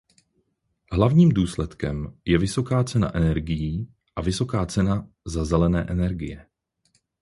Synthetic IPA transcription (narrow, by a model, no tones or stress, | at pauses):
ɦlavɲiːmduːslɛt̪kɛmjɛvɪso̞kaːt͡sɛna̰ʔɛnɛɾɡɪjiː | ʔavɪso̞kaːt͡sɛna | zazɛlɛnɛːʔɛnɛɾɡɪjɛ